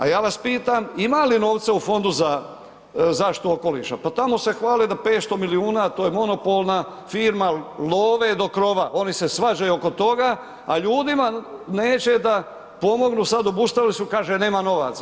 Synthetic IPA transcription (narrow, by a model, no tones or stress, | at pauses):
a̰jaːʋaspiːt̪amimalino̞ːʋt̪seufo̞nd̪uza | zaʃt̪ooko̞lḭʃapat̪amo̞se̞xʋaːled̪apeːt̪st̪o̞miliuːnat̪oːjemo̞no̞po̞lˠna | fiːɾmaloːʋed̪o̞kɾo̞ʋaʔo̞nise̞sʋad͡ʒajuoko̞t̪o̞ɡa | a̰ʎuːd̪imaneːt͡ɕe̞d̪a | po̞mo̞ɡnuːsad̪o̞bust̪aʋilisukaːʒene̞ːmano̞ʋa̰t̪s